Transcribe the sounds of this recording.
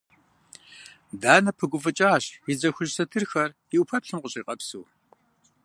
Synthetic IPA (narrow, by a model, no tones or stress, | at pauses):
daːnɐpʰɨɡʷʊfɨt͡ʃʼaːɕizɐxʷʊʒsɐtʰɨrxɐr | ɪʔʊpʰɐtɬɨmqʷʊɕʼiːqʼɐpsṵː